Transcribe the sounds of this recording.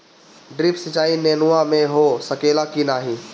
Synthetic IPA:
ɖɾipsət͡ʃaːineːnuamẽɦosəkeːlakinaːɦĩ

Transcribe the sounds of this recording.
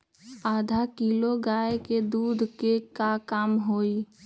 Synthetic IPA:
aːd̪ʱakiːloɡaːeked̪uːd̪ʱkekakaːmɦoːi

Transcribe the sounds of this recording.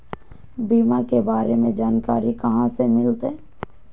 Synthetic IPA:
biːmakebaːɾemẽd͡ʒaːnkaːɾikɐɦãsemɪlt̪ẽː

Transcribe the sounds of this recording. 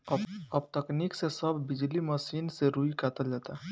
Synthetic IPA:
əbt̪əkniksesəbʱːid͡ʒliməsinseɾuikat̪əld͡ʒat̪a

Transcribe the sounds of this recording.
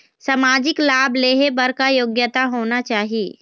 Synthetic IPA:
səmaːd͡ʒɪklaːbleːɦebɐɾkajoːɡjət̪aɦoːnat͡ʃaːɦieː

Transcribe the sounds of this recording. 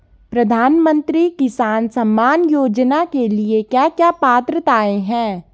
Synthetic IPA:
pɾɐd̪ʱaːnmə̃nt̪ɾikɪsaːnsɐmːaːnjoːd͡ʒnakeliekjaːkjaːpaːt̪ɾət̪aːeɦɛ̃ː

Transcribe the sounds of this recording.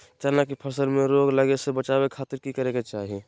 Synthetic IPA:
t͡ʃanakipʰəsəlmẽɾoːɡləɡesebət͡ʃaːbekʰaːt̪ɪɾkikəɾeket͡ʃaːɦie

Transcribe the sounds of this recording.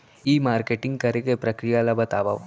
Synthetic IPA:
iːmaːɾkeːʈɪ̃ŋɡ̚kɐɾekepɾɐkɾijalabɐt̪aːʋa̰ʋ

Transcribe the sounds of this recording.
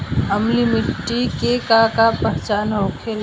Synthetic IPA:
əmlimɪʈikekakapəɦt͡ʃaːnɦoːkʰel

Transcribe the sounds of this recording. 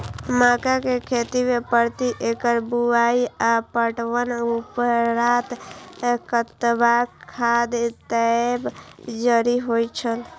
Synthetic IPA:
makakekʰet̪imepəɾt̪iʔekəɾbuaiapəʈwənupəɾat̪ | kət̪baad̪t̪əebd͡ʒəɾiɦojt͡ʃʰəl

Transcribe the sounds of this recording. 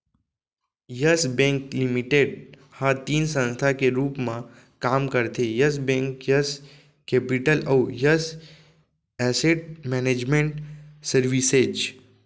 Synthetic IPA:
jəsbɛ̃ŋklimiʈeɖ | hãt̪iːnsə̃nst̪ʰakeɾuːpmã | kaːmkəɾt̪ʰejəs̬bẽŋkjəs | keːpiʈəlɐwjəs | ɛseʈ̚mɛned͡ʒmẽɳʈsəɾʋised͡ʒ

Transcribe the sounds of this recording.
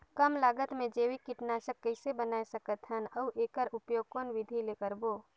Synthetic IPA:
kəmlaːɡət̪mẽd͡ʒeːwikɪʈnaːʃəkːəɪsebənaːesəkət̪ɦənɐuʔeːkəɾʊpjoːɡ̚koːnʋɪd̪ʱileːkəɾboː

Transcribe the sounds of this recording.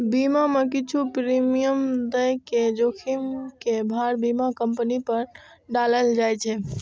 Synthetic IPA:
bimamekit͡ʃʰupɾimijəmd̪əjked͡ʒokʰimkebʱaɾbimakəmpənipəɾ | ɖaləld͡ʒajt͡ʃʰɛ

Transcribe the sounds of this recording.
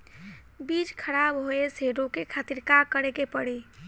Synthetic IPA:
bit͡ʃkʰəɾabɦoeseɾokekʰat̪iɾkakəɾekepəɽi

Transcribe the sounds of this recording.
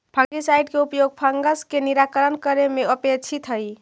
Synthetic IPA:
pʰə̃ŋɡisajɖkeupjoɡ̚pʰəŋɡəskeniɾakəɾənkəɾemeəpet͡ʃʰit̪ʰɦəj

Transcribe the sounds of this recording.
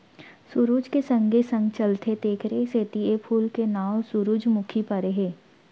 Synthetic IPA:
sʊɾuːd͡ʒkesə̃ŋɡesə̃ŋɡt͡ʃəlt̪ʰet̪eːkʰɾeseːt̪iepʰuːlkenaːwsʊɾuːd͡ʒmʊkʰipɐɾeɦeː

